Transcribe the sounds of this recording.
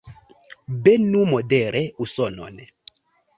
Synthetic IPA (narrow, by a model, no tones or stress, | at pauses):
bɛnumɔdɛɾɛusɔnɔ̰nɛ